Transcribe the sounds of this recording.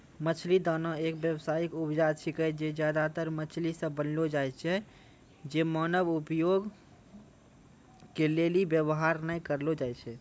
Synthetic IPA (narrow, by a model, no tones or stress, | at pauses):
mət͡ʃʰlid̪ənəekbjəwsaikupd͡ʒat͡ʃʰikəd͡ʒed͡ʒjad̪at̪əɾmət͡ʃʰlisə̃bənlod͡ʒajt͡ʃʰɛ | d͡ʒemənəbupjoɡ | kelelibjəbɦaɾnəikəɾlod͡ʒajt͡ʃʰɛ